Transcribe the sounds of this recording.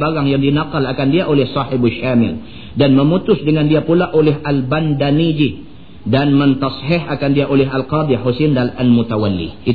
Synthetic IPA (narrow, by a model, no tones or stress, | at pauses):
baɡaŋjaŋdinaqalakandiaʔolɛhsˤɑħɪbaʃamɪ̰l | danməmut̪ʊsdəŋandiapulaʔolɛɦʔalbandanid͡ʒi | danmənt̪ɑshɪɦakandiaʔolɛɦalqɑd̪ˤiħusindanalmut̪awalːḭʔi